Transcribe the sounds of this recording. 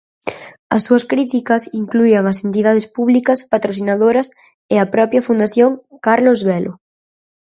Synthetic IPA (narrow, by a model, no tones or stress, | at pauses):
ɐ̰sːuɐskɾit̪ikɐsiŋkluiaŋasent̪̬iðað̞espuβlikaspat̪ɾoθinaðoɾɐs | eapɾɔpjɐfund̪aθjoŋkaɾlozβɛlʔo